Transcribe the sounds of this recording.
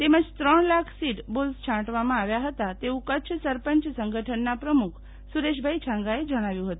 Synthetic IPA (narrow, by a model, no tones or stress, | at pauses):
t̪eməd͡ʒt̪ɾəɳlakʰsiʈbolst͡ʃʰãʈʋamãaʋjaɦət̪at̪eʋũkət͡ʃʰəsəɾpəɲt͡ʃsəŋɡʱəʈʰənːapɾəmukʰ | suɾeʃ̬bʱait͡ʃʰãŋɡaed͡ʒəɽ̃aʋjũɦət̪ũ